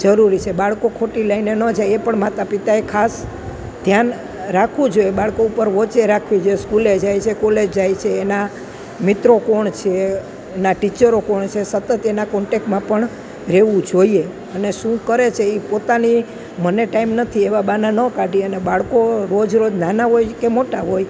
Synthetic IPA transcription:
d͡ʒəɾuɾit͡ʃʰebaɭkokʰoʈiləinenəd͡ʒajepəɳmat̪apit̪aekʰas | d̪̥ʱjan | ɾakʰũd͡ʒojebaɭkoupəɾʋɔt͡ʃeɾakʰʋid͡ʒoeskuled͡ʒajt͡ʃʰekoled͡ʒd͡ʒajt͡ʃʰeːna | mɪt̪ɾokoɳt͡ʃʰeː | naʈit͡ʃəɾokoɳt͡ʃʰesət̪ət̪enakɔɳʈek̚ʈmãpəɳ | ɾeʋũd͡ʒoie | əneʃũkəɾet͡ʃʰeipot̪ani | məneʈaimnət̪ʰieʋabananəkaɖiənebaɭkoɾod͡ʒɾod͡ʒnanaɦojkemoʈaɦoj

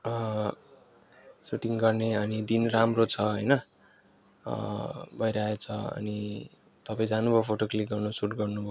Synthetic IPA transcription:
ʌ | suʈiŋɡʌrneʌnid̪inramrot͡sʰʌɦʌjnʌ | bʱʌjɾaet͡sʰʌʌ̰ni | t̪ʌpaĩd͡zanubʱopʰoʈoklik̚ɡʌrnusuʈɡʌrnubʱo

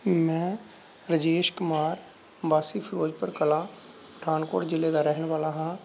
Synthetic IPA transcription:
mɛ̃ː | ɾəd͡ʒeːʃkʊmaːɾ | baːsiːpʰɪɾoːd͡ʒpəɾkəlãː | ʈʰaːnko̰ːʈd͡ʒɪleːd̪aːɾɛɦnʋaːlaːɦãː

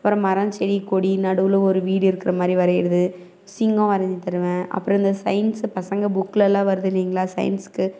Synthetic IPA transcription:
ɐpːɯɾɐ̃mɐɾɐ̃ɲt͡ʃɛɽikːoːɽinɐɽɯʋɯlõɔɾɯʋiːɽɪɾɯkːɪɾɐmaːd̪ɾiʋɐɾɐjɪɾɯðɯ | sɪŋɡõːʋɐɾɐɲd͡ʒit̪ːɐɾɯʋẽːɐ̰pːɯɾɔ̃ɪnd̪ɐsɐɪnspɐsɐŋɡɐbʊkːɯlɛlãːʋɐɾɯðɪlːiːŋɡɐɭaːsɐ̰ɪ̰nskːɯ

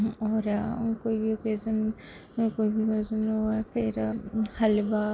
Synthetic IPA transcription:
ɔːɾkoːibʱiokeːzən | koːibʱieːzənɦuapʰɪɾhɐlba

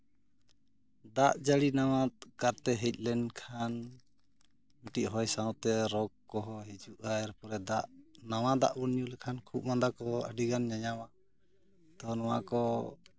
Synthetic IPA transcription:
d̪aʔd͡ʒaɽinawat̪̚kaɾt̪ɛɦɛc̚ˀlɛnkʰan | muʈiʔɦɔjsaw̃t̪ɛɾɔkːɔɦɔɦid͡ʒuʔajɛɾpɔɾɛd̪aʔnawad̪a̰ʔwunɲulɛkʰankʰuʔmand̪akɔə̰ɖiɡanɲaɲawa | t̪ɔnɔwa̰kɔ

